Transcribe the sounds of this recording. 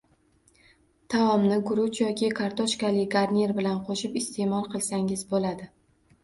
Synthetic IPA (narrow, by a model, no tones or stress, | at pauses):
t̪ʰaɒmnɪɡʊɾʊt͡ʃjɒkʲɪkʰaɾt̪ʰɒʃkʲalɪɡaɾnʲeɾbɪlanqʰoʃɪpɪst̪ʰe̞mɒlˠqʰɨlˠsaŋɪzbolad̪ɪ